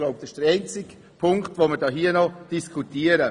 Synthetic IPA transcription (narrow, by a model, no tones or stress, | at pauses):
loʊp̚d̥ɛɪʃd̥əɾɛɪnt͡sɪk | pʰʊŋktʋoməɾd̥ɑːɦiənɔd̥iskʰutiəɾə